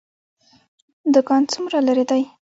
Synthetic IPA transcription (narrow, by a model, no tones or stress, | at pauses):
d̪ʊkɑnt͡sumɾalaɾed̪aj